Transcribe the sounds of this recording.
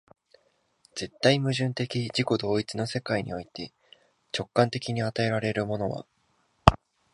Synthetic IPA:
z̥e̞t̪ːaimɯ̟ʑɨ̃nt̪e̞kʲiʑiko̞d̪o̞ːit͡sɨno̞se̞kaiɲ̟ḭo̞it̪e̞ | t͡ɕo̞kːãnt̪e̞kʲiɲ̟iat̪ae̞ɾaɾe̞ɾɯ̟mo̞no̞βa̰

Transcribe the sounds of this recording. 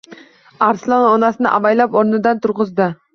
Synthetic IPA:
aɾslˠɒnɒnasɪnɪʔa̰majlapɒɾnɪd̪ant̪ʰʊɾʁɨzd̪ɪ

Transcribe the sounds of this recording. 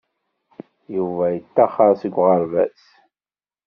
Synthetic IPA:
juvæjət̪ːæχɑɾˤsəɡʷːʁəɾvæ̰s

